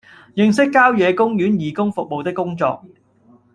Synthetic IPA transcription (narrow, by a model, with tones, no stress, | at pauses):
jɪ˨ŋsɪ˥kːaː˥wjɛː˨˧kʊ˥ŋjyː˨˥njiː˨˧kʊ˥ŋfʊ˨k̚mo˨wt̪ɪ˥kːʊ˥ŋt͡sɔ̰ː˧k̚